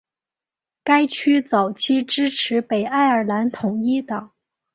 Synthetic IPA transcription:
ka˥ɪt͡ɕʰy˥t͡sɑ˨˩ʊt͡ɕʰi˥ʈ͡ʂɻ̩˥ʈ͡ʂʰɻ̩˧˥pe˨˩ɪa˥˩ɪə˞˨˩la˧˥nt̪ʰʊ˨˩˦ŋi˥t̪ɑ˨˩˦ŋ

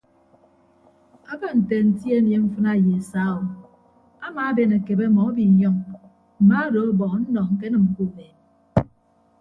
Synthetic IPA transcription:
a˦ba˦˨n̩˨te˨n̩˨tje˦mje˦ɱ̩˦fɨ˦na˦˨je˨e˨sa˦ɔ˨ | a˦ma˨˦a˦be˦˨na˨ke˨be˦˨mɔ˨˦bi˨ɲɔ˦ŋ | m̩˨ma˦do˨˦bɔ˨ŋ˨˦n̩˦nɔ˨ŋŋ̩˨k̬e˦nɨ˨m̩˨ku˦˨me˨t̚

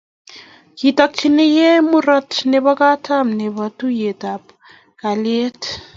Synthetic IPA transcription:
kitak̚t͡ʃine˦je˦mu˦ɾa˦tne˨βa˦ka˦tʰa˦mne˨βatu˦je˨tap | ka˨le˦t

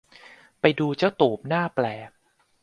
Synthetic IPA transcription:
pa˧jduː˧t͡ɕa˥˩wt̪oː˨˩p̚naː˥˩plɛː˨˩k̚

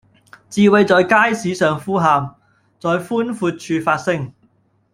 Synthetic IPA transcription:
t͡siː˨we˨˧jt͡sɔː˨jkaː˥jsiː˨˥sœː˨ŋfuː˥ɦaː˨m | t͡sɔː˨jfuː˥nfuː˧t̚t͡ʃʰyː˧faː˧t̚sɪ˥ŋ

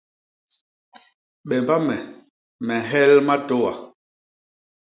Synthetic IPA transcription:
ɓɛ˨mba˦mɛ˨ | mɛ˨ɦɛ˦lma˦to˦wa̰˨

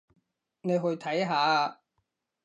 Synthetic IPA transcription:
ne˨˧jɦɵ˧ɥt̪ʰɐ˨˥jɦaː˨˧

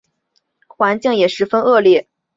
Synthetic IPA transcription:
xwa˧˥nt͡ɕi˥˩ŋjɛ˨˩ʂɻ̩˧˥fə˥nɤ˥˧ljɛ˥˩

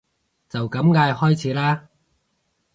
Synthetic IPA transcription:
t͡sɐ˨wkɐ˨˧˥mŋaː˧jhɔː˥jt͡sʰiː˨˦˥laː˥

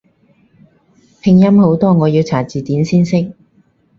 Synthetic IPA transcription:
pʰɪ˨˧ŋjɐ˥mho˨˥wt̪ɔː˥ŋɔː˨˧jiː˨˧wt͡sʰaː˨˩t͡siː˨t̪iː˨˥nsiː˥nsɪ˥k̚

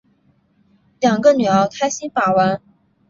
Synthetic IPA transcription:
ljɑ˨˩ŋɡə˧ny˨˩ɑ˧˥ʊt̪ʰa˥ɪɕi˥npa˨˩wa˧˥n

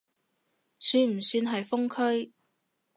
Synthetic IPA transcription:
syː˧nm̩˨˩syː˧nɦɐ˨jfʊ˥ŋkʰɵ˥ɥ

